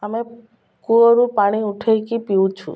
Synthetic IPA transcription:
ame | kuoɾupaɽ̃iuʈʰejkipiwt͡ʃʰṵ

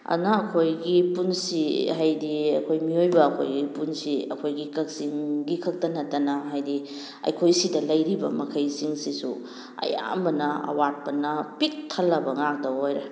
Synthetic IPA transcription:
ɐ̰naːkʰojɡipunsiɦajdiɐkʰojmiojbɐːkʰo̰jɡipunsiɐ̰kʰojɡikɐk̚siŋɡikʰɐk̚tɐnɐtːɐnɐɦajdi | ɐ̰jkʰojsidɐlɐjɾibɐ̰mɐkʰɐjsiŋsisu | ɐ̰ja̰mbɐnɐɐ̰wat̚pɐnɐpik̚tʰɐlːɐbɐŋak̚dɐojɾɐ

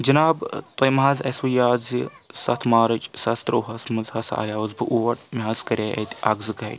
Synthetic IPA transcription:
d͡ʒɐnaːbt̪ɐjmɦazɐsʋɐjaːzisɐt̪ʰmaːɾɐt͡ʃsɐst̪ɾɐwɦɐsmɐzhɐsa̰ːjaːwzbɨʔuʋɐʈmiɦazkɐɾʲaːɐ̰t̪ʲɐ̰ɡzɨɡɐʈʲ

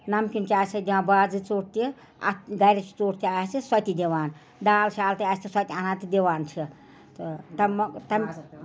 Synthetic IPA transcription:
nɐmkʲint͡ʃiaːsɐd̪iʋãːnbaːd͡zɨt͡soːʈ̚t̪i | ɐ̰ɡɐjɾɐt͡ʃʰi̥t͡soːʈt̪iaːst̪isɐt̪id̪ʲiʋaːn | d̪aːlʃaːlt̪iaːsʲt̪ʰisɐt̪ʲianãːt̪id̪iʋaːnt͡ʃʰi | t̪ɨt̪ɐmt̪ɐm

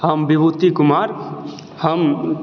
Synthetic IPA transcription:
həmbibut̪ːikumaːɾ | həm

